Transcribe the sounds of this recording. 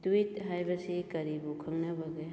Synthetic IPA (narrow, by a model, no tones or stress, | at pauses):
twitɦajbɐsikɐɾibukʰɐŋnɐbɐɡe